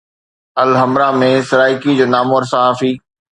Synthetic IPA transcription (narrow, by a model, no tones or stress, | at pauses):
ɐlɦɐmɾamẽsɪɾaːɪkid͡ʑoːnaːmoːɾsaɦaːfiː